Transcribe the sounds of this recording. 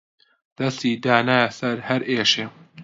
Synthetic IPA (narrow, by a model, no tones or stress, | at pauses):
d̪̥ɐst̪iːd̪aːnaːjasɐɾhɐɾeːʃeː